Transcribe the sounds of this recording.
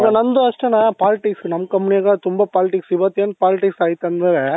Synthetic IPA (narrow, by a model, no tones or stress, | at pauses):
ŋɡɐnɐnd̪ɯɐsʈɐnaːpaːlɪʈɪksknɐmkːɐmːnɪjɐkaːt̪ʊmbɐpaːlɪʈɪksɪʋɐt̪ːjɐnpaːlɪʈɪksaːjɪt̪ːɐnd̪ɐʋeː